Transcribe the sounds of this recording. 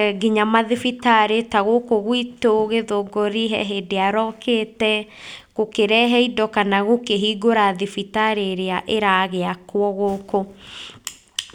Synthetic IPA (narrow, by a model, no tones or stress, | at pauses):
ɡiɲamaðifitaɾetaɣokoɣwitoɣeðoɡoɾiɦɛ̰ɦedeaɾɔːkeːtɛ | kokeɾɛɦɛidɔkanaɣokeɦiɡoɾaðifitaɾeɾeaʔeɾaɣeakwɔɣoko